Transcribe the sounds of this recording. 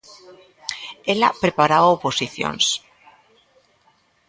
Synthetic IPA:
ela̰pɾe̞paɾaβaopo̞siθjo̰ns

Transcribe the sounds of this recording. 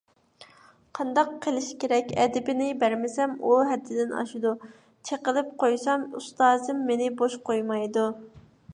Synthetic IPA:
qʰɑnd̪ɑqʰːəlˠɪʃkʲeɾɛkʲɛd̪ɪbɪnɪbæɾmɪsɛmuɦɛd̪ːɪd̪ɪnɑ̰ʃid̪u | t͡ʃʰeqəlˠɪp̚qʰojsɑmṵst̪ɑːzɨmːenɪboʃqojmɑjd̪u

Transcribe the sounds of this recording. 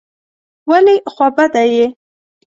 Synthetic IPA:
walixwabad̪aje

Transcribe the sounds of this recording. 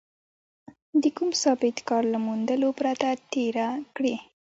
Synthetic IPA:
d̪əkumsɑbɪt̪kɑɾlamund̪əlopɾat̪at̪eɾakɽi

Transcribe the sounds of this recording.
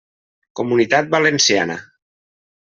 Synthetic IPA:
komunit̪at̪̚balensia̰nə̰

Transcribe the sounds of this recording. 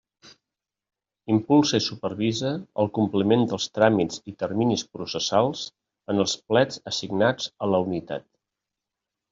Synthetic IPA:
impulˠsəisupərβizəə̰lˠkumplimend̪əlˠst̪ɾamid͡zit̪ərminispɾusəsalˠs | ənəlˠsplɛd͡zəsiɡnad͡zələunit̪a̰t̪̚

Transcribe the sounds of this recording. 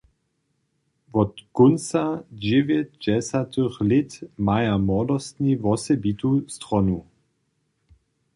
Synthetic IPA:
vɔt̪ɡ̥ʊnsad͡ʑɛvjɛt̪dɛsat̪əxlɪtmajamɔdɔst̪nivɔsɛbit̪ust̪ʁɔnu

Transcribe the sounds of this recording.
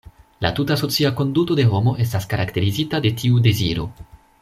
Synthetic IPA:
la̰tutaso̞t͡siako̞ndutode̞ɦo̞mo̞ʔe̞s̬taskaɾʔakte̞ɾizitade̞tʰiude̞ziɾo̞̰

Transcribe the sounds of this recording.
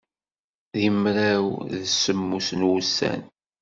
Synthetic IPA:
ðimɾæwðəsəmːusnwusːæ̰n

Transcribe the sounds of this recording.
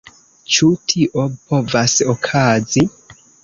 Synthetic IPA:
t͡ʃutʰiʔopʰovasokʰazi

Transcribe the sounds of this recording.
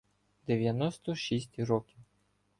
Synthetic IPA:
d̪eʋjɐnɔst̪ɔʃisʲtʲɾɔkʲiw

